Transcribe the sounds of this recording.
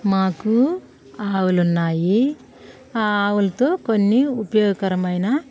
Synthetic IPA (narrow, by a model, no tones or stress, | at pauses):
maːku | aːwulunːaːji | aːwulɐt̪o̞ːkonːiupɐjoːɡɐkɐɾɐmɐjnɐ